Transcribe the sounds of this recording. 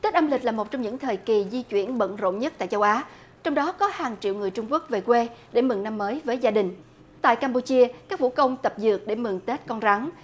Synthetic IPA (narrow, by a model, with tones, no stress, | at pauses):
t̪e˦˥t̚ʔaː˧mlï˨˩k̚laː˨˩mo˨˩t̚t͡ɕɔ˧wŋ͡mɲɨ̰˧˥ŋt̪ʰəː˨˩jki˨˩zi˧t͡ɕwi˧˩ənɓə̰˧˨nzo̰˧˨nɲə˦˥t̚t̪a̰ː˧˨jt͡ɕə˨˦wʔaː˨˦ | t͡ɕɔ˧wŋ͡mɗɔ˨˦kɔ˨˦haː˨˩ŋt͡ɕḭ˧˨wŋɨ˨˩əjt͡ɕʊ˧ŋ͡mku˦˥ək̚ve˨˩kwe˧ɗe˧˩mɨ˨˩ŋna˧mːəː˨˦jvəː˨˦jzaː˧ɗï˨˩ŋ̟ | t̪a̰ː˧˨jkaː˧mpu˧t͡ɕi˧əkaː˦˥k̚vu˧˥kə˧wŋ͡mt̪ə˨˩p̚zɨ̰˨˩ək̚ɗe˧˩mɨ˨˩ŋt̪e˦˥t̚kɔ˧nɣa˨˦ŋ